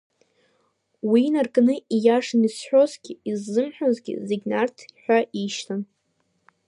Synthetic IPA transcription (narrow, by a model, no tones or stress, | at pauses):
winarkʼnɨijaʂɨnisħʷᶣo̞zɡʲiizːɨmħʷᶣozɡʲɪ̰zeɡʲnartʰħʷᶣaʔiʃtʰan